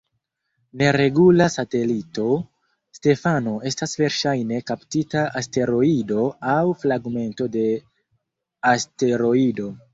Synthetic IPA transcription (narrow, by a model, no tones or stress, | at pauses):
ne̞ɾe̞ɡulasate̞lito̞ | ste̞fano̞e̞stasve̞ɾʃajne̞kaptitaʔaste̞ɾo̞ido̞awflaɡme̞nto̞de̞ | aste̞ɾo̞ido̞